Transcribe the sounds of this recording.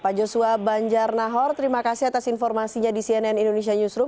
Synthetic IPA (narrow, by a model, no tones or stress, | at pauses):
pad͡ʒosuabaɲd͡ʒarnaɦɔrt̪əɾimakasiat̪asinfɔrmasiɲadisiɛnɛnindonesiaɲusɾum